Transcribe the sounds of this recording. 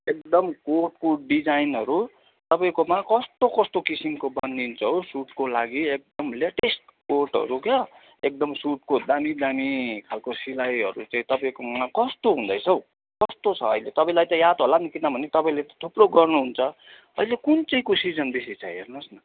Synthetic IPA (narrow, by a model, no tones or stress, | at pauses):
ek̚d̪ʌmkorʈkoɖid͡zajnʌɾu | t̪ʌpaĩkomakʌst̪okʌst̪okisimkobʌnd̪int͡sʰʌwsuʈkolaɡiek̚d̪ʌmleʈesʈkorʈɦʌ̰ɾukʌ | ek̚d̪ʌmsuʈ̚kod̪amid̪amikʰalkosilajɦʌɾut͡saĩt̪ʌpaĩkomakʌst̪oɦũnd̪ʌjt͡sʰʌw | kʌst̪ot͡sʰʌ̰ːilet̪ʌpãĩlajt̪ʌjat̪ɦolanikinʌbʱʌnet̪ʌpaĩlet̪ʌ̥t̪ʰuproɡʌrnuɦunt͡sʰʌ | ʌ̰ilekunt͡sʌĩkusid͡zʌnb̪isit͡sʰajɦḛrnʌsnʌ